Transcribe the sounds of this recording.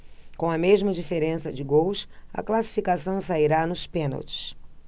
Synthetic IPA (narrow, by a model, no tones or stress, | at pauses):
kõw̃ɐmeʒmɐd͡ʒifeɾẽsɐd͡ʒɪɡowsɐ̰klasi̥fikasɐ̃w̃saiɾanʊspẽno̰wt͡ʃɪ̥s